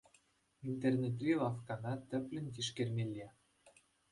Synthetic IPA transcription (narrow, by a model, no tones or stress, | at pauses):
int̪ernet̪̬rʲilɑfkɑnɑt̪ɘ̆plʲɘ̆nʲkiʃkermʲelʲːe